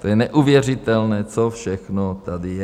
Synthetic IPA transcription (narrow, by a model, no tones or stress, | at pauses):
t̪ɔjɛnɛʔuʋɪɛr̝it̪ɛlnɛːt͡sɔfʃɛxnɔt̪ad̪ijɛ